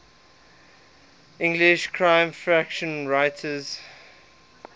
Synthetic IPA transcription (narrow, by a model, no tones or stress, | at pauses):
ɪ̃ŋɡlɪʃkʰɹãɪ̃mfɹækʃə̃nɹaɪtʰəz̥